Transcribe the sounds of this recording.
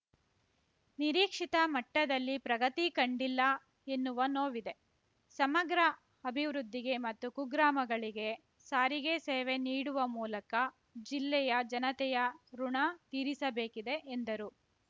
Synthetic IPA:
niɾiːkʂit̪ɐmɐʈːɐd̪ɐlːipɾɐɡɐt̪ikɐɳɖilːɐ | e̞nːuʋɐnoːʋid̪e̞ | sɐmɐɡɾɐ | ɐbʱiʋɾud̪ʱːiɡe̞mɐt̪ːukuɡɾaːmɐɡɐɭiɡe̞ | saːɾiɡe̞seːʋe̞niːɽuʋɐmuːlɐkɐ | d͡ʒilːɛjɐd͡ʒɐnɐt̪ɛjɐɾuɳɐt̪iːɾisɐbe̞ːkid̪e̞ʔːnd̪ɐɾu

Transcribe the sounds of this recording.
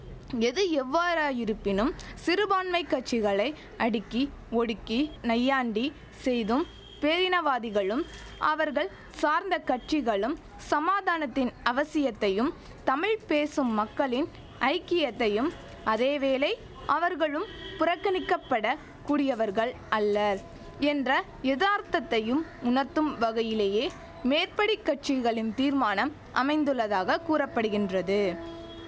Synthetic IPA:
ɛðɯɛʋːaːɾaːjɪɾɯpːɪnɯmsɪɾɯbaːnmɐɪkːɐʈt͡ʃɪɣɐɭɐɪ | ʔɐɽɪkːi | ɔɽɯkːinɐjːaːɳɖi | sɛjðɯm | peːɾɪnɐʋaːðɪɣɐɭɯm | ʔɐʋɐɾɣɐɭ | saːɾnd̪ɐkɐʈ̚t͡ʃɪɣɐɭɯm | sɐmaːðaːnɐt̪ːɪnɐʋɐsɪjɐt̪ːɐjɯm | t̪ɐmɪɭpeːsɯmːɐkːɐɭɪn | ʔɐɪkːɪjɐt̪ːɐjɯm | ɐðeːʋeːlɐɪ | ʔɐʋɐɾɣɐɭɯmpʊɾɐkːɐnɪkːɐpːɐɽɐ | kuːɽɪjɐʋɐɾɣɐɭʔɐlːɐ | ɛndrɐ | jɛðaːɾt̪ɐt̪ːɐjɯmʊnɐɾt̪ːɯmʋɐɣɐjɪleːjeː | meːɾpɐɽɪkːɐʈ̚t͡ʃɪɣɐɭɪnt̪iːɾmaːnɐm | ʔɐ̰mɐɪnd̪ɯɭːɐðaːɣɐkuːɾɐpːɐɽɯɣɪndrɐðɯ

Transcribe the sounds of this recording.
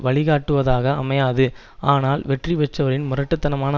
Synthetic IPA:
ʋɐɭɪɣaːʈːɯʋɐðaːɣɐːmɐjaːðɯ | aːnaːlʋɛʈriʋɛt͡ʃːɐʋɐɾɪnmʊrɐʈːɯt̪ːɐnɐmaːnɐ

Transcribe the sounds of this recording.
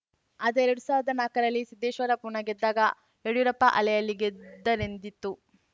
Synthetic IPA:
ɐd̪ɐeɾɐɽusaːʋɾɐd̪ɐnaːkɐɾɐlːisid̪ːeːʃʋɐɾɐpuːɳɐɡed̪ːaːɡɐ | eɽjuɾɐpːɐʔɐlɛjɐlːiɡed̪ːɐɾend̪it̪ːu

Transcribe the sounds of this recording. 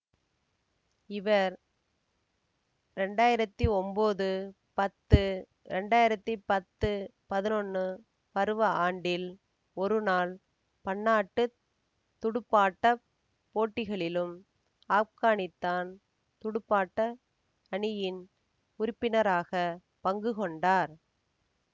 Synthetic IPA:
ɪʋɐɾ | ɾɛɳɖaːjɪɾɐt̪ːiɔmboːðɯ | pɐt̪ːɯ | ɾɛɳɖaːjɪɾɐt̪ːipɐt̪ːɯpɐðɪnɔnːɯ | pɐɾɯʋɐaːɳɖɪl | ɔɾɯnaːl | pɐnːaːʈːɯ | t̪ʊɽɯpːaːʈːɐ | poːʈːɪɣɐɭɪlɯm | aːkaːɳɪt̪ːaːn | t̪ʊɽʊpːaːʈːɐ | ɐɳɪjɪn | ʊɾʊpːɪnɐɾaːɣɐ | pɐŋɡɯɣɔɳɖaːɾ

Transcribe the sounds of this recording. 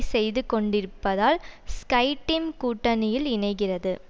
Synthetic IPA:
sɛjðɯkɔɳɖɪɾɯpːɐðaːlskɐɪʈːɪmkuːʈːɐnɪjɪlɪnɐɪɣɪrɐðɯ

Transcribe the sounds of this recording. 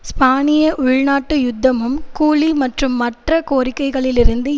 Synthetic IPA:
spaːnɪjɐʔʊɻnaːʈːɯjʊd̪ːɐmɯmkuːlimɐʈrɯmːɐʈrɐkoːrɪkːɐɪɣɐɭɪlɪɾɯnd̪ɯ

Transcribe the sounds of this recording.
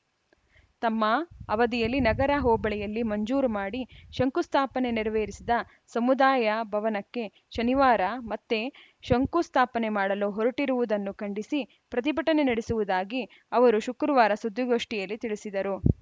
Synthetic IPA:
t̪ɐmːɐːʋɐd̪ijɐlːinɐɡɐɾɐɦɔːbɐɭɛjɐlːimɐɲd͡ʒuːɾumaːɽiʃɐŋkust̪ʰaːpɐne̞niɾɐʋeːɾisid̪ɐ | sɐmud̪aːjɐbʱɐʋɐnɐkːe̞ | ʃɐniʋaːɾɐmɐt̪ːe̞ | ʃɐŋkust̪ʰaːpɐne̞maːɽɐloːɦɔɾɐʈiɾuʋud̪ɐnːukɐɳɖisi | pɾɐt̪̬ibɐʈɐne̞nɐɽesuʋud̪aːɡi | ɐʋɐɾuʃukɾɐʋaːɾɐsud̪ːuɡo̞ːʂʈijɐlːit̪iɭisid̪ɐɾu

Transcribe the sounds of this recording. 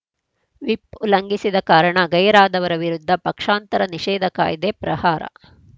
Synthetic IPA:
ʋiplɐŋɡisid̪ɐkaːɾɐɳɐɡɐjɾaːd̪ɐʋɐɾɐʋiɾud̪ʱːɐpɐkʂaːnt̪ɐɾɐniʂɛːd̪ʱɐka̰ːjid̪epɾɐhaːɾɐ̰

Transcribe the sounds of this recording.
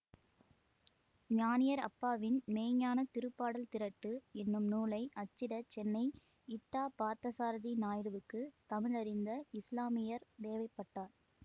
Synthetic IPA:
ɲaːnɪjɐɾɐ̰pːaːʋɪnmeːɲaːnɐt̪ɪɾɯpːaːɽɐlt̪ɪɾɐʈːɯɛnːɯmnuːlɐɪʔɐt͡ʃːɪɽɐt͡ʃɛnːɐɪ | ɪʈːaːpaːɾt̪ɐsaːɾðinaːjɪɾɯʋɯkːɯt̪ɐmɪɻɐɾɪnd̪ɐɪslaːmɪjɐɾd̪eːʋɐɪpːɐʈːaːɾ

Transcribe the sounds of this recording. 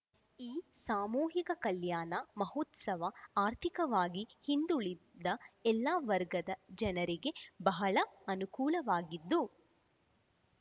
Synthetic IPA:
iːsaːmuːɦikɐkɐljaːnɐmɐɦoːt̪sɐʋɐaːɾt̪ʰikɐʋaːɡihind̪uɭid̪ːɐɛlːaːʋɐɾɡɐd̪ɐd͡ʒɐnɐɾiɡe̞bɐɦɐɭɐɐnukuːlɐʋaːɡid̪ːu

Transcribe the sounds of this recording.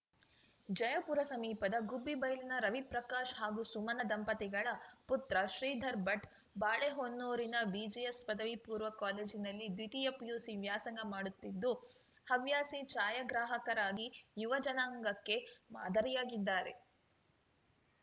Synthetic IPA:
d͡ʒɐjɐpuːɾɐsɐmiːpɐd̪ɐɡubːibɐjlinɐɾɐʋipɾɐkaːʃɦaːɡusumɐnɐd̪ɐmpɐt̪ɛɡɐɭɐput̪ɾɐʃɾiːd̪ʱɐɾbɐʈ | baːɭeɦonːoːɾinɐbid͡ʒijespɐd̪ɐʋipuːɾʋɐkaːle̞ːd͡ʒinɐlːid̪ʋit̪ijɐpjuːsiʋjaːsɐŋɡɐmaːɽut̪ːid̪ːu | hɐʋjaːsit͡ʃaːjɐɡɾaːɦɐkɐɾaːɡijuʋɐd͡ʒɐnaːŋɡɐkːe̞ma̰ːd̪ʱɐɾijaːɡid̪ːaːɾe̞̰

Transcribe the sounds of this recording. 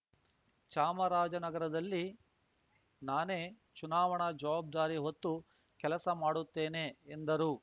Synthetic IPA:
t͡ʃaːmɐɾaːd͡ʒɐnɐɡɐɾɐd̪ɐlːi | naːne̞ː | t͡ʃunaːʋɐɳɐd͡ʒɐʋaːb̚d̪aːɾiɦo̞t̪ːu | kɛlɐsɐmaːɽut̪ːe̞ːne̞ːnd̪ɐɾuː

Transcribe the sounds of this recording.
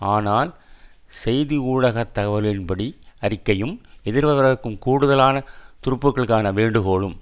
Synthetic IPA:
aːnaːl | sɛjðiuːɻɐɣɐt̪ːɐɣɐʋɐɾɪnbɐɽiɐɾɪkːɐjɯmɛðɪɾʋɐʋɐɾɐɯkːɯmkuːɽɯðɐlaːnɐt̪ʊɾɯpːɯkːɐɭɯkːaːnɐʋeːɳɖɯɣoːɭɯm

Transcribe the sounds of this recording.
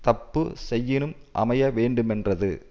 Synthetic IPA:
t̪ɐpːɯsɛjːɪnɯmʔɐ̰mɐjɐʋeːɳɖɯmɛndrɐðɯ̰

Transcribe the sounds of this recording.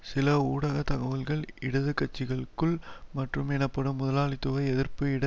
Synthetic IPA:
sɪlɐuːɽɐɣɐt̪ɐɣɐʋɐlɣɐɭɪɽɐðɯkːɐt͡ʃːɪɣɐɭɯkːɯɭmɐʈrɯmɛnɐpːɐɽɯmːʊðɐlaːɭɪt̪ːɯʋɐɪɛðɪɾpɯɪɽɐ

